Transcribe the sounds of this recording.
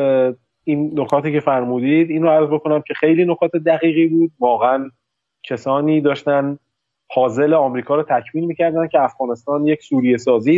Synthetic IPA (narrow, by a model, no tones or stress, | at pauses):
inːokʰɒːt̪ʰiːcʰe̞fæɾmuːd̪iːd̪iːnɾoæɾzbekʰonæmcʰe̞xejliːnokʰɒːt̪ʰe̞d̪æɣiːɣiːbuːd̪̚vɒːɣeæn | cʰesɒːniːd̪ɒːʃt̪æn | hɒːze̞leɒːmɾiːkʰɒːɾɔːt̪ʰæcʰmiːnmiːcʰæɾd̪æncʰeæfɡɒːne̞st̪ɒːnjecsuːɾije̞sɒːziː